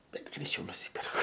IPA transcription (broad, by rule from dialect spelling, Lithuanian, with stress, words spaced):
ˈbʲɛt ɡrʲɛɪˈt͡ʃʲɛʊ nʊˈsʲiːpʲɛrkʊ